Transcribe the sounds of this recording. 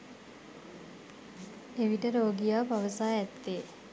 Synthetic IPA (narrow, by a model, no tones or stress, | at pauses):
eʋiʈəɾoːɡijaːpaʋəsaːɛt̪ːeː